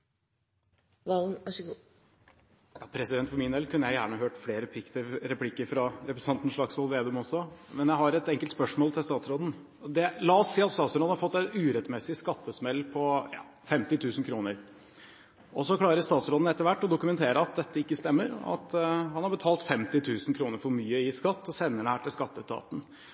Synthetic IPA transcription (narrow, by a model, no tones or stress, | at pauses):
ʋɑln | jɑ̰ːpʰɾɛsɪd̪ɛnt̪fɔɾmɪnd̪ɛlkʰʉnːəjæɪjæ̰ːɳəɦøːʈfleːɾəpʰɪkt̪əɾɛpʰlɪkːəɾfɾɑɾɛpɾəsɑnt̪n̩ʂɭɑɡsʋɔlʋeːd̪ʉmɔsːɔmɛnjæɪɦɑɾɛt̪ɛŋkəlt̪spœʂmoːlt̪ʰɪlst̪ɑːt̪sɾoːd̪n̩ | ɔd̪ɛlɑɔsːiːɑt̪st̪ɑːt̪sɾoːd̪n̩hɑɾfɔt̪ːæɪt̪ʉːɾɛt̪mɛsɪskɑt̪ːəsmɛlːpʰɔjɑ̰ː | fɛmt̪ɪt̪ʰʉːsn̩kʰɾuːnəɾ | ʔɔsɔkʰlɑːɾəst̪ɑːt̪sɾoːd̪n̩ɛt̪ːəɾʋæʈːɔd̪ʊkʉmɛnt̪ʰeːɾəɑt̪̚d̪ɛt̪ːəɪkːəst̪ɛmːəɾɑ̰t̪hɑnhɑɾbət̪ʰɑːlt̪fɛmt̪ɪt̪ʰʉːsn̩kʰɾuːnəɾfɔɾmyːəɪskɑt̪ːɔsɛnːəɖɛhæːʈɪlskɑt̪ːət̪ʰɑ̰ːt̪n̩